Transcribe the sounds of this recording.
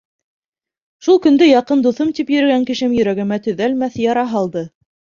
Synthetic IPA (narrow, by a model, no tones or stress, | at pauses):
ʃulˠkɵ̆nd̪ɘjɑqɤnd̪uθɤmt̪ipjɵ̆ɾɘ̆ɡæŋkɘ̆ʃɘmjɵ̆ɾæɡɘ̆mæt̪ɵ̆ðælmæθjɑɾɑɦɑlˠd̪ɤ